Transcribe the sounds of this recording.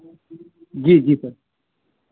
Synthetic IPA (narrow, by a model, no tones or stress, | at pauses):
d͡ʒiːd͡ʒiːsɐɾ